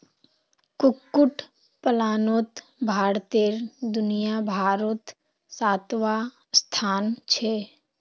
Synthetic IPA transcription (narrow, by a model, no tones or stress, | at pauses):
kʊkːʊʈʰ | pəlaːnot̪ | bʱaːɽt̪eɾd̪ʊnijabʱaːɾot̪ | saːt̪ʋa | st̪ʰaːnt͡ʃʰe